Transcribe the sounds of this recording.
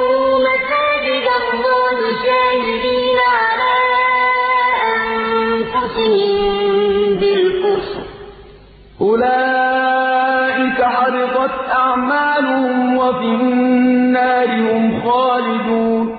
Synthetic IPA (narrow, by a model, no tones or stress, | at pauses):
masaːd͡ʒɪdamːoːlʊd͡ʒaːhɪbiːnaʕalaː | ʔamfʊsɪhɪm | bɪlkʊɾs | ʔʊlaː | ʔɪkaħɑɾɪt̪ˤɑt̪ʔaʕmaːlʊhʊmwafiː | aːɾɪhʊmxaːlɪd̪uːn